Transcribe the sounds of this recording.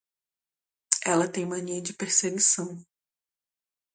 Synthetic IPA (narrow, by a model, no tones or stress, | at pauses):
ɛlɐt̪ẽj̃mɐ̃niɐd͡ʒɪpeɾseɡisɐ̃w̃